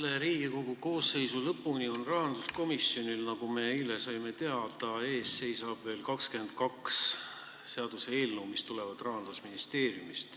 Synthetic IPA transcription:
lːeɾiːɡ̥iko̞ɡ̥uko̞ːsːe̞jsulɤpːˑunio̞nrɑhɑnd̪lusko̞misjo̞nilnɑɡume̞ilesɑjme̞t̪e̞ɑd̪ɑe̞ːsːe̞jsɑb̥ve̞ːlkɑkskend̪̥̚kɑks | se̞ɑd̪̥usee̞ːlnuːmist̪ule̞vɑd̪̥rɑɦɑnd̪lusminist̪e̞ːɾjumist̪

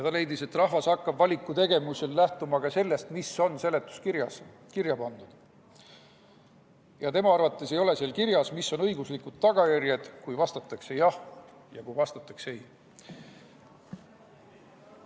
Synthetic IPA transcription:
jɑt̪ɑle̞jd̪ise̞t̪ːrɑɦvɑsɑkːɑbvɑlʲikːˑut̪e̞ɡe̞musellæht̪umɑɡ̥ɑse̞lːe̞st̪miso̞nːse̞le̞t̪ˑːu̥skiɾjɑs | kirjɑpɑnd̪̥ud̪̥ | jɑt̪e̞mɑɑrvɑt̪ːˑe̞se̞jo̞le̞seːlkirjɑsmisːo̞nɤ̞jɡuslikud̪̥̚t̪ːɑɡ̥ɑjærjed̪̥kujvɑst̪ɑt̪ːˑɑkse̞jɑhjɑkujvɑst̪ɑt̪ːˑɑkseej

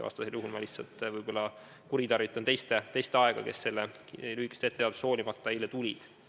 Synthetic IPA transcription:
vɑ̰st̪ɑseljuɦulmɑlihsːɑlt̪vɯjb̥o̞lːɑ | kuɾit̪ɑrvit̪ːˑɑnt̪e̞jst̪e̞t̪e̞jst̪eɑe̞ɡ̥ɑke̞̰sːe̞lːelyhikːˑe̥st̪et̪ːeɑd̪usoːlʲimɑt̪ːˑɑejlːet̪ulʲid̪̥

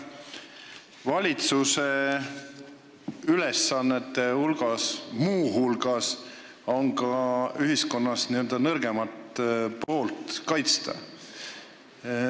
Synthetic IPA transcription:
vɑlʲit̪suse̞ | yle̞sːɑnːet̪ːe̞hulɡ̥ɑsmuːɦulɡ̥ɑs | o̞ŋɡɑyɦisko̞nːɑsniø̞ld̪̥ɑnɤrɡ̥e̞mɑt̪po̞ːlt̪kɑjt̪st̪ɑ̰

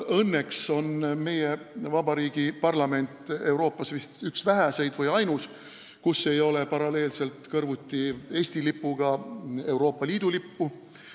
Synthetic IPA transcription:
ɤnːekso̞nme̞jevɑbɑɾiːɡ̥ipɑrlɑme̞nʲt̪ˑe̞wɾo̞ːpːˑɑsvist̪yksvæɦæse̞jd̪vɤjɑjnus | kusːe̞jo̞le̞pɑɾɑle̞ːlse̞lt̪kɤrvut̪ʲːie̞ːst̪ilipːuɡ̥ɑe̞wɾo̞ːpˑːɑliːd̪ulipːu

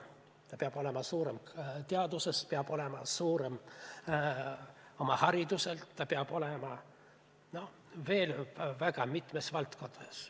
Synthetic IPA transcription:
t̪ɑpeɑb̥o̞le̞mɑsuːɾe̞mt̪eɑd̪usespeɑb̥o̞le̞mɑsuːɾem | o̞mɑhɑɾid̪̥use̞lt̪ːɑpeɑb̥o̞le̞mɑ | no̞ | ve̞ːlvæɡ̥ɑmit̪me̞svɑlt̪ko̞nɑs

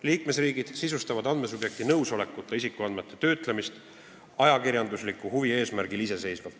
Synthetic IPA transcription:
liːkme̞sriːɡ̥id̪̥sisust̪ɑvɑd̪ɑnd̪me̞s̬ub̥je̞k̚t̪inɤwso̞le̞kːˑut̪ːˑeisikːˑuɑnd̪me̞t̪ːˑe̞t̪ø̞ːt̪ˑlemist̪ | ɑjɑkiɾjɑnd̪uslikːˑuhuvie̞ːsmæɾɡilise̞se̞jsvɑ̥

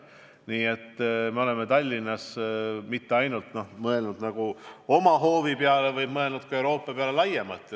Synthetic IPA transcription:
niːe̞t̪ˑːme̞o̞le̞met̪ɑlʲːinːɑsmit̪ːe̞ɑjnult̪ˑno̞hmɤe̞lnud̪nɑɡ̥uo̞mɑɦo̞ːvipeɑle̞vɤjbmɤe̞lnud̪̚kɑewɾo̞ːpˑːɑpeɑle̞lɑjemɑt̪ːˑ

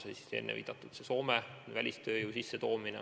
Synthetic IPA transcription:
seisi̥sḛnːevḭːd̪̥ɑt̪ːˑut̪seso̞ːmevælʲist̪ø̞ːjuːsisːet̪o̞ːminɛ̰

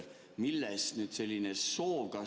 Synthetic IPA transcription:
milːesnyt̪selʲːinesoːʋɡ̥ɑ

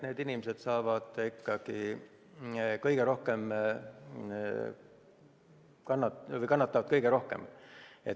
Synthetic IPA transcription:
neːd̪inimese̞d̪̥sɑːvɑd̪̥ikːɑɡ̥i | kɤjɡ̥eɾo̞hke̞m | kɑnːɑvɤjkɑnːɑt̪ːˑɑvɑd̪̥kɤjɡeɾo̞hke̞̰met̪ː

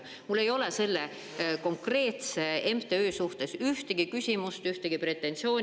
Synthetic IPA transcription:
mulːe̞jo̞le̞se̞lːe̞ | ko̞ŋkre̞ːt̪se̞empt̪e̞øːsuht̪e̞syht̪eɡ̥ikysʲimust̪yht̪eɡipre̞t̪ːˑe̞nt̪sio̞ːn

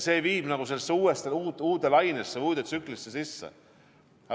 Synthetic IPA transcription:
se̞ːviːb̥nɑɡ̥use̞lsːuːest̪euːt̪uːt̪elɑjnesːevuːd̪et̪syklisːesisːḛ | ɑ

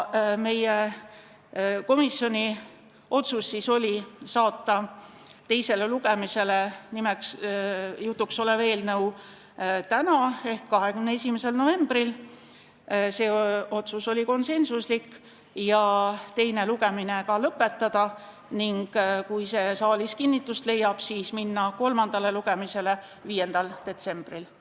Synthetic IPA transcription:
me̞je | ko̞misːjonʲi | ʔo̞t̪susːiso̞lʲisɑːt̪ˑːɑ | t̪e̞jse̞le̞luɡ̥e̞mise̞le̞nimɛks | jut̪ˑːukso̞leve̞ːlnɤw | t̪ænɑe̞hkkːɑɦekymneesʲimese̞lno̞ve̞mb̥ril | se̞ːo̞t̪suso̞lʲiko̞nse̞nsuslikː | jɑt̪e̞jne̞luɡ̥e̞minekɑlɤpːe̞t̪ːɑd̪̥ɑ | niŋɡ̥kujse̞sɑːliskinːit̪ːˑust̪le̞jːɑb̥siːsminːɑko̞lmɑnd̪̥ɑle̞luɡ̥e̞mise̞le | viːje̞nd̪̥ɑld̪̥e̞t̪se̞mb̥ril

